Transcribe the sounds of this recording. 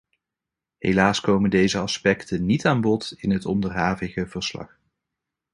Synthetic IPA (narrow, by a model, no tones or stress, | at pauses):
ɦḛlaːskowməndejzəɑspɛktənitaːnbɔtɪnɦətɔndərɦaːvɪɣəv̥əɹslɑ̰χ